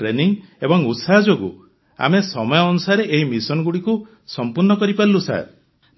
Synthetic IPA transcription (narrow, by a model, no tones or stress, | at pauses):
ɾeniŋebɔŋutsad͡ʒoɡṵ | a̰mesɔmɔjɔːnusaɾeʔeɦimisɔnɔɡuɽiku | sɔmpuɾnɔkɔɾipaɾilusa̰ɾ